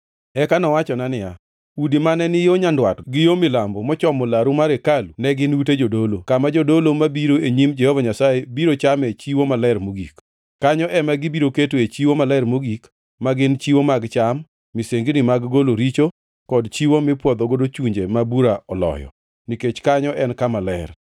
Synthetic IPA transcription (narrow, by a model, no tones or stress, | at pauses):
ɛkanɔwat͡ʃɔnanɪja | udimanɛnɪjoɲandwatɡɪjomɪlambɔmɔt͡ʃɔmolaɾumaɾekalunɛɡɪnuted͡ʒodolokamad͡ʒodolomabiɾoeɲimd͡ʒɛhɔvaɲasajebiɾot͡ʃamɛt͡ʃiwomalɛɾmoɡḭkː | aɲɔʔɛmaɡɪbiɾoketoet͡ʃiwomalɛɾmoɡik | maɡɪnt͡ʃiwomaɡt͡ʃamː | iseŋɡinɪmaɡɡoloɾit͡ʃo | kɔdt͡ʃiwomɪpwɔd̪ɔɡodot͡ʃuɲd͡ʒemabuɾaɔlɔ̰jɔ̰ | niket͡ʃkaɲɔʔɛnkamalɛr